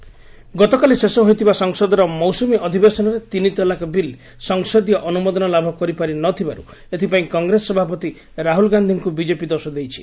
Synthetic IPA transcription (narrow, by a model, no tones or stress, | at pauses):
ɡɔt̪ɔkalisesɔɦojt̪ʰibasɔŋsɔd̪ɔɾɔmɔwsumiʔɔd̪ʱibesɔnɔɾet̪init̪ɔlakɔbil | sɔŋsɔd̪ijɔʔɔnumɔd̪ɔnɔlabʱɔkɔɾipaɾinɔt̪ʰibaɾu | et̪ʰipaĩkɔŋɡɾesːɔbʱapɔt̪i | ɾaɦulɡand̪ʱiŋkubid͡ʒepid̪ɔɾsɔd̪ejt͡ʃʰi̥